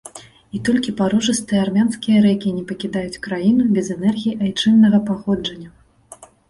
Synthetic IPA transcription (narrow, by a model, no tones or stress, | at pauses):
it̪ɔlʲkʲipaɾɔʐɨst̪ɨjɛarmʲanskʲijɐɾɛkʲinʲɛpɐkʲid̪ajut͡sʲkɾajinubʲɛzɛnɛrɣʲijiʔajt͡ʂɨnːɐɣɐpaxɔd͡ʐɐnʲːɐ